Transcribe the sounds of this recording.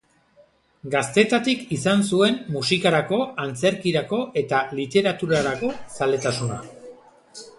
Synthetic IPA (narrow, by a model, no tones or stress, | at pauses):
ɡast̪e̞t̪at̪ikisans̬ue̞nmusikaɾako̞ant͡se̞ɾkiɾako̞ʔe̞t̪alit̪e̞ɾat̪uɾaɾako̞sale̞t̪asuna̰